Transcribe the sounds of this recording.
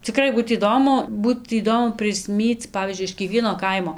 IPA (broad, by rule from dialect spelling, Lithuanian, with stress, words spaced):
t͡sʲɪˈkrɐɪ ˈbuːt iːˈdoːmʊ ˈbuːt iːˈdoːmʊ pʲrʲɪsʲˈmʲiːt͡s ˈpɑːʋʲiːzʲd͡ʒʲʊɪ ɪʃ kʲiɛˈkʋʲiɛnoː ˈkɐɪmoː